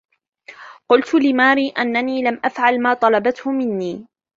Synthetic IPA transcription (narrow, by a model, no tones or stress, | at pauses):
qʊlt̪lɪmaːɾiːʔanːaniːlamʔafʕalmaːt̪ˤɑlɑbat̪hʊmɪnːiː